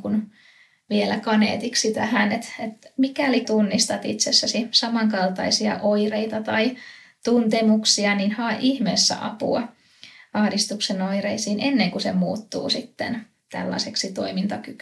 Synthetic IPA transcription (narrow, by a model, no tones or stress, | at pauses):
kun | ʋielækɑnḛːt̪iksit̪æhænet̪et̪mikælit̪unːist̪ɑt̪ḭt̪sesːæsisɑmɑŋkɑlt̪ɑisiɑ̰ʔoireit̪ɑt̪ɑi | t̪unt̪emuksiɑninhɑːʔihmeːsːæ̰ʔɑ̰pṵɑ | ɑhdist̪uksenoireisiːnʔenːeŋkusemuːt̪ːṵːsit̪ːḛn | t̪æ̰lːɑ̰seksit̪o̰imint̪ɑkyk